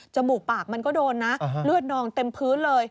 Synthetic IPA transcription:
t͡ɕa˧˨˩muː˨˩paː˨˩k̚ma˧nkɔː˥˩doː˧nːa˦˥ʔlɯ˥˩ət̪̚nɔː˧ŋt̪e˧mpʰɯː˦˥lɤː˧j

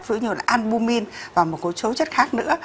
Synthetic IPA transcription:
zɨ̰˧˥ɲu˨˩la̰ː˨˩ʔa˧nɓu˧mi˧nvaː˨˩wmo˨˩t̚ko˨˦t͡ɕo˨˦wt͡ɕə˦˥t̚xaː˦˥k̚nɨ̰˧˥ə

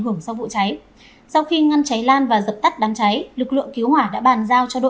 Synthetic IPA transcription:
ɦɨ˧˩əŋsa˧wvṵ˧˨t͡ɕa˨˦j | sa˧wxi˧ŋa˧nt͡ɕa˨˦jlaː˧nvaː˨˩zə˨˩p̚t̪a˦˥k̚ɗaː˨˦mt͡ɕa˨˦jlɨ˨˩k̚lɨ̰˧˨əŋki˨˦əwhwaː˧˩ɗa̰ː˧˥ɓaː˨˩nzaː˧wt͡ɕɔ˧ɗo̰˧˨

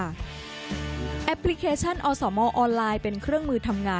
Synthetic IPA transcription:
ʔɛ˦˥pʰli˦˥kʰeː˧t͡ɕʰa˥˩nʔɔː˧sɔː˩˦mɔː˧ʔɔː˧nlaː˧jpe˧nkʰɾɯ˥˩əŋmɯː˧t̪ʰa˧mŋaː˧

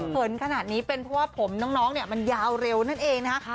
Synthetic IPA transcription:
pʰɯ˨˩˦nkʰa˧na˨˩t̪̚niː˦˥pe˧npʰɾɔ˦˥waː˥˩pʰo˨˩˦mnɔː˦˥ŋnɔː˦˥ŋni˥˩ma˧njaː˧wɾe˧wna˥˩nʔeː˧ŋna˦˥kʰa˦˥

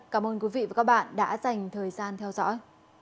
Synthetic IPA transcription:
kaː˨˧˩mʔəː˧nkwi˨˦vḭ˧˨vaː˨˩kaː˦˥k̚ɓa̰ː˧˨nɗa̰ː˧˥za˨˩jŋ̟t̪ʰəː˨˩jzaː˧nt̪ʰɛ˧wzɔ̰˧˥j

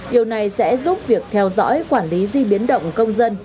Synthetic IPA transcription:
ɗi˨˩əwna˨˩jsɛ̰˧˥zu˦˥p̚vi˨˩ək̚t̪ʰɛ˧wzɔ̰˧˥jkwaː˧˩nli˨˦zi˧ɓi˨˦ənɗə̰˧˨wŋ͡mkə˧wŋ͡mzə˧n

